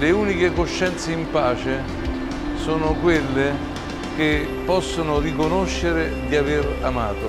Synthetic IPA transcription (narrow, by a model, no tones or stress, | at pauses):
leuːnikekoʃːɛnt̪seimpaːt͡ʃe | soːnʊkwelːe | k̟e | pːɔsːonʊrikonoʃːeɾɪd̪iaveɾama̰ːt̪o